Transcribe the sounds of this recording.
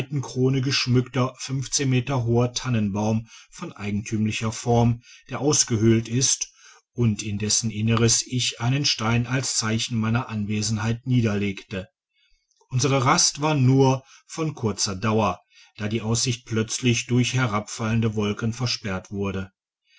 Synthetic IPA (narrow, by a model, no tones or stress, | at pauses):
tn̩kʁ̥oːnəɡəʃmʏktɐfʏnft͡seːnmeːtɐɦoːɐtʰanənbaʊmfɔnʔa̰ɪɡŋ̩tʰyːmlɪçɐfɔɐmd̥eːɐʔaʊsɡ̥əhʏltɪst | ʔʊntɪndɛsn̩ʔɪnəʁəsɪçʔaɪnənʃtaɪnalst͡saɪçn̩maɪnɐʔanveːzn̩haɪtniːdɐleːktə | ʔʊnzəʁəʁastv̥aːɐnuːɐ | fɔnkʰʊɐt͡sɐdaʊɐ | d̥aːdiːʔaʊsz̥ɪçt̚pl̥œt͡slɪçd̥ʊɐçhɛʁapfaləndəvɔlkənfɛɐʃpɛɐtv̥ʊɐdə